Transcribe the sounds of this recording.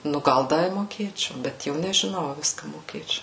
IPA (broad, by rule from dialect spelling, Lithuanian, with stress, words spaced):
nʊ ˈɡɐlˠ ˈdɐ ɪ moːˈkʲeːt͡ʃʲɛʊ bʲɛt ˈjɛʊ nʲɛʒʲɪˈnɐʊ ɐ ˈʋʲɪskɐ moːˈkʲeːt͡ʃʲɛʊ